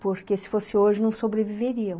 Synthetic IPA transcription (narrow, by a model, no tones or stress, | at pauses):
poɾkesɪ̥fosɪoʒɪnɐ̃w̃sobɾeviveɾiɐ̃